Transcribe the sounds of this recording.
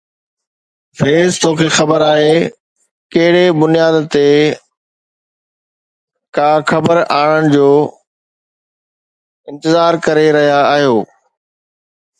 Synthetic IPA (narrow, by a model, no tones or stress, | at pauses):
feːzt̪oːkʰexɐbəɾaːɦe | kɐɦɪɽebʊnijaːd̪t̪e | kaːxɐbəɾaːɽənɪ̆d͡ʑoː | ɪ̃nt̪ɪzaːɾkɐɾeɾɐɦijaːɦijoː